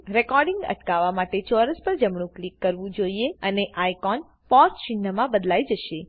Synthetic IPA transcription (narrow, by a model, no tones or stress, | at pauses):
ɾekɔɾɖɪŋɡə̰ʈkaʋamaʈet͡ʃɔɾəspəɾd͡ʒəmɳ̃ũklikːəɾʋũd͡ʒoieəneʔajkɔn | pɔɾsʃɪnːəmãbəd̪laid͡ʒəʃe